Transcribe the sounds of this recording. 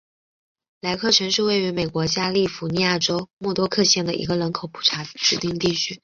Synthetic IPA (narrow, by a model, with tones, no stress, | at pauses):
la˧˥ɪkʰɤ˥˩ʈ͡ʂʰɤ˧˥ŋʂɻ̩˥˧we˥˩ɪy˧˥me˨˩ɪkwɔ˧˥t͡ɕja˥li˥˩fu˧˥ni˧˥ja˥˩ʈ͡ʂo˥ʊmwɔ˥˩t̪wɔ˥kʰɤ˥˧ɕjɛ˥˩nd̪ə˩ʔḭ˧˥ɡə˧lə˧˥nkʰo˨˩ʊpʰu̥˨˩ʈ͡ʂʰa˧˥ʈ͡ʂɻ̩˨˩t̪i˥˧ŋt̪i˥˧t͡ɕʰy˥